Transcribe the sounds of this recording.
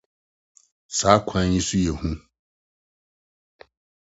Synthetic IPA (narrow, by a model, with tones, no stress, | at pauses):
saː˨˦kʷʰã˨˦njĩ˦su˦jɛ˨hũ˦